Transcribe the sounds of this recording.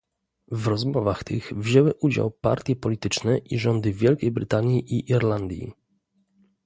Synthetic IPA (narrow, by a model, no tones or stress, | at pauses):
vɾɔzmɔvaxt̪ɘɣvʑɛwɘʔud͡ʑa̰wpa̰ɾt̪ʲjɛpɔlʲit̪ɘt͡ʂnɛʔiʐɔnd̪ɘvʲjɛlkʲejbɾɘt̪aɲjiʔiʔiɾland̪ʲjḭ